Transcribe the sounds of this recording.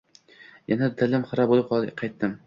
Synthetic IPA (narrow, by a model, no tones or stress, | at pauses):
janad̪ɪlɪmχɨɾabolˠɪp̚qʰɒlˠqʰɑjt̪ːɪm